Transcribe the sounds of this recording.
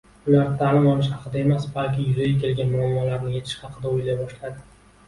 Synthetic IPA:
ʊlaɾɪt̪ʰalɪmɒlˠɪʃ̬hɑqʰɨd̪ae̞masbalkʲɪjʊzaɡʲakʲʰe̞lɡʲanmʊamːɒlaɾnɪjet̪ʰɪ̥ʃhɑqʰɨd̪aʊjlajbɒʃlad̪ɪ

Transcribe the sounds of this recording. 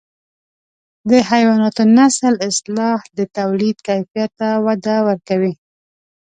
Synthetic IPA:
d̪əhajwɑnɑt̪onasəlɪslɑhd̪ət̪awlid̪̚kajfijat̪ːawad̪awəɾkawi

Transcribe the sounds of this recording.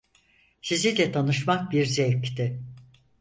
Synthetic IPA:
sizid̪ɛt̪ʰanɯʃmak̚biɾzɛct̪ɪ

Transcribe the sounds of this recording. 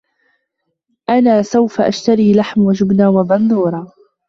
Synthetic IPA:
ʔanaːsawfaʔaʃt̪aɾiːlaħmwad͡ʒʊbnaːwabɑnd̪ˤuːɾˤɑː

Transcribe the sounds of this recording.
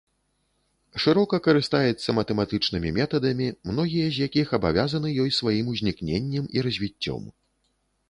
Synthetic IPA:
ʂɨɾɔkɐkɐɾɨst̪ajɛt̪sːɐmɐt̪ɛmat̪ɨt͡ʂnɨmʲimʲɛt̪ɐd̪ɐmʲimn̪ɔɣʲijɐzʲjakʲixɐba̰vʲazɐnɨjɔjsvajimuzʲnʲiknʲenʲːɐmiɾɐzʲvʲit͡sʲːɔ̰m

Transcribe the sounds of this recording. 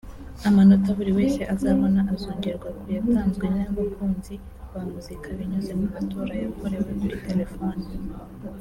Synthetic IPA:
amano̞taβuɾiwe̞ːse̞ʔazaːβo̞naʔazoːɲɟeɾɡwakujataːnzɡwenaβakʰuːnzi | βamuzikʰaβiɲazemumato̞ːɾajako̞ɾe̞wemuɾite̞le̞fo̞ːni

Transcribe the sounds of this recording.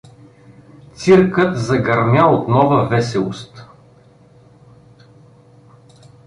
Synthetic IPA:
t̪siɾkət̪zɐɡɐɾmʲjaot̪nɔvəvɛsɛlˠost̪

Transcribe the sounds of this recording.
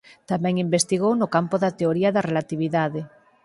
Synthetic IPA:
t̪amɛ̃ŋimbest̪iɣownʊkampoðat̪eoɾiaðɐrelat̪iβ̞iðaðe

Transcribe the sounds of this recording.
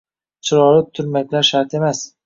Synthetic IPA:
t͡ʃʰɪɾɒɾɪt̪ʰʊɾmakʲlaɾʃaɾt̪e̞mas

